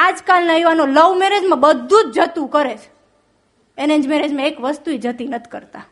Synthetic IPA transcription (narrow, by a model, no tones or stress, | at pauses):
ad͡ʒkalnajuʋanoləʋmɛɾed͡ʒmãbəd̪ʱːũt͡ʃd͡ʒət̪ũkəɾet͡ʃʰ | enẽd͡ʒmɛɾed͡ʒmãekʋəst̪uid͡ʒət̪inət̪ʰi̥kəɾt̪a